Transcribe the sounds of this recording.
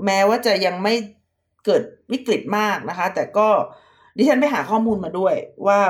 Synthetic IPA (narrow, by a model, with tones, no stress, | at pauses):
mɛː˦˥waː˥˩t͡ɕa˨˩ja˧ŋma˥˩j | kɤː˨˩t̪̚wi˦˥kɾi˨˩t̪̚maː˥˩k̚na˦˥kʰa˦˥t̪ɛː˨˩kɔː˥˩ | diː˧˩t͡ɕʰa˥npa˥˩jɦaː˩˦kʰɔː˥˩muː˧nmaː˧du˥˩əjwaː˥˩